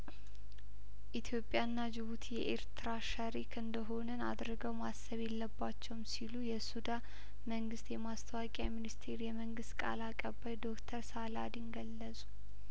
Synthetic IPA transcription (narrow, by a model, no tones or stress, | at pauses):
ʔit̪ʰjo̞pʼːjanːad͡ʒɪβut̪ʰijɛʔeɾt̪ʰɨɾaʃəɾikʰɨnd̪əɦo̞nəna̰d̪ɾɨɡəwmasːəβjelːəbːat͡ʃːɛwmsilujɛsud̪a | məŋɡɨst̪jɛmast̪ʰəwakʼjaminist̪ʰeɾjɛməŋɡɨst̪kʼa̰lakʼəbːajd̪o̞kt̪ʰəɾsala̰d̪inɡəlːəsʼu̥